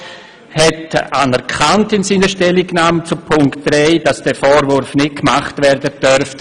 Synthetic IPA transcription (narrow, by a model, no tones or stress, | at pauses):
hɛtanɛɾkʰantɪnsiːnəʃtɛliɡnaːmt͡supʰʊŋktd̥ɾɛɪd̥asd̥ɛfɔːɾvʊɾfnɪt̚kmaχtvɛɾdətœɾft